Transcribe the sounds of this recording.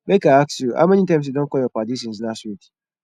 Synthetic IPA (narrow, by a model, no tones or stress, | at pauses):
bekaaksjua̰mɛnitãmsjudõnkɔjɔpadis̬ĩnsnaswit